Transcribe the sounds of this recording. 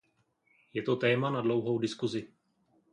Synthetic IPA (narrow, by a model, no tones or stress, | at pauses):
jɛt̪o̞t̪ɛːmanadlo̞wɦo̞wdɪskuzɪ